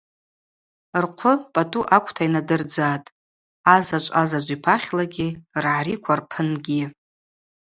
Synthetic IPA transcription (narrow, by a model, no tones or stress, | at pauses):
rqʷʰʊpʼatʼuʔakʷʰʼtʰainadɨrd͡zatʼ | azat͡ʃʷʼazad͡ʒʷʼipʰaχʲlaɡʲirʕaɾikʷʰarpʰɨnɡʲi